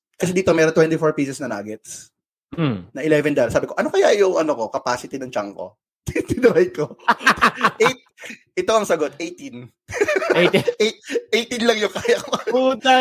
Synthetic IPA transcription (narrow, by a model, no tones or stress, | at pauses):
kɐsɛd̪iːt̪omɛːɾont̪wɛnt̪ɪfoɹpiːsɛsnɐna̰ːɡɛt̪̚s | nɐʔɪlɛvɛnd̪alsaːbɪko̞ʔɐnokɐjaʔjʊŋʔɐnoko̞kɐpaːsɪt̪ɪd̪ɐŋt͡ʃaŋko̰ | d̪ɪnɐbɐjko | ʔet̪̚ | ʔɪt̪o̞ʔɐŋsɐɡot̪ʔejt̪in | et̪̚ʔejt̪inlɐŋjʊŋkaːjɐkoɐua